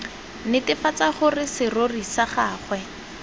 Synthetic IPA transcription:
nɪtɪfat͡saχʊrɪsɪrorisaχaːχwɛ

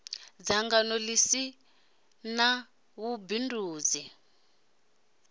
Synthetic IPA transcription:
d͡zaŋɡanɔlisi | na | βubinduːd͡zi

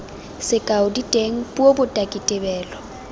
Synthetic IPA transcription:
sɪkʼaʊditʼeŋ̩bobʊtʼakʼitʼɪbɛːlɔ

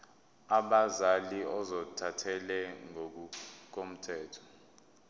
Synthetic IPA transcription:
aɓazaliɔzɔtʰatʰɛlɛŋouk̬om̩tʰɛːtʰɔ̥

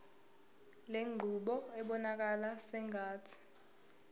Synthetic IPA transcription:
leŋ͡ǃʱuɓɔɛɓɔnak̬alasɛŋʱaːtʰi̥

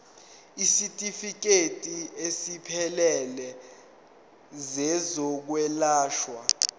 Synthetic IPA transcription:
isitʼifik̬etʼiesipʰɛlɛlɛ | zɛzɔk̬wɛlaːʃwa

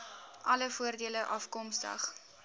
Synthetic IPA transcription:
ʔɐləfuərdiələʔɐfkɔmstə̰χ

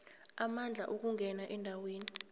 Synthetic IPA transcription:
amand͡ɮʱaʔuk̬uŋɡʱɛnaʔɛndʱaweːni

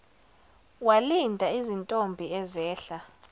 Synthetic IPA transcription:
walindʱaizintʼombʱiɛzɛːɬa

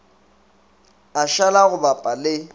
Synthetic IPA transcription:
aʃalaɣʊbapʼalɪ

